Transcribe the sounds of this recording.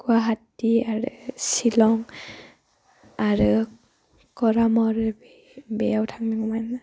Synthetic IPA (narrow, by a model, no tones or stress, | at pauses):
kuaɦatiaɹɯsilɔŋ | aɹɯ | kɔɹamɔɹ | bɛjawtʰaŋmiŋɔmana